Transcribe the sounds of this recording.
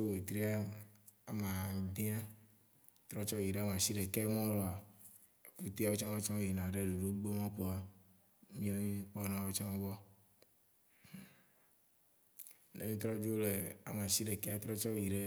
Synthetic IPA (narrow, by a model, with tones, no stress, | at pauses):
o˦we˨t̪ɾi˦a˦ | a˨mã˨dĩ˦a˦ | t̪ɾɔ˦t͡ʃɔ˦ji˨ɖe˨˦a˦m˨ã˨si˦ɖe˨ke˦mɔ̃˦lɔ˨a˨ | fu˦t̪i˦a˦wo˦t͡ʃɔ˦ɔ˦t͡ʃɔ̃˦m˦ji˨nã˨ɖe˦ɖu˨ɖo˦ɡ͡bo˦mɔ̃˦k͡po˨a˨ | mĩ˦o˦mĩ˦k͡pɔ˦nã˦˨wo˦t͡ʃɔ˦m˦vɔ˦˨ | nḛ˨mĩ˦t̪ɾɔ˦d͡ʒo˦le˨a̰˨mã˨si˦ɖe˨kɛ˦a˦t̪ɾɔ˦t͡ʃɔ˦ji˨ɖe˦